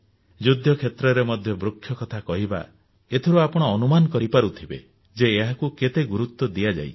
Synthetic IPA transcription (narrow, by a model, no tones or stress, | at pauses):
d͡ʒud̪ʱjɔkʰet̪ɾɔɾemɔd̪ʱjɔbɾukʰːjɔkɔt̪ʰakɔɦiba̰ | et̪ʰiɾuapɔɽ̃ɔːnumanɔkɔɾipaɾut̪ʰibḛ | d͡ʒeːɦakuket̪eɡuɾut̪ːɔd̪ijad͡ʒa̰j